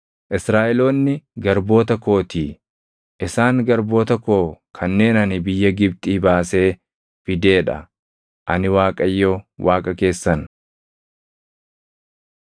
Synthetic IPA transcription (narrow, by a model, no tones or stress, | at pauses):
ʔɪsɾaːʔɛlo̞ːnːɪɡɐɾbo̞ːt̪ɐko̞ːt̪iː | ʔɪsaːŋɡɐɾbo̞ːt̪ɐko̞ːkʰɐnːe̞ːnɐnɪbɪjːɐɡɪb̚t̪ʼiːbaːse̞ː | fɪd̪e̞ːᶑɐ̰ | ʔɐnɪwaːkʼɐjːowaːkʼɐke̞ːsːɐn